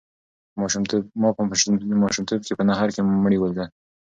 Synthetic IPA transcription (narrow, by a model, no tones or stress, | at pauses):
mɑʃmt̪mɑpəmɑʃumt̪ob̚kepənaɦɑɾkeməɽiwəld̪a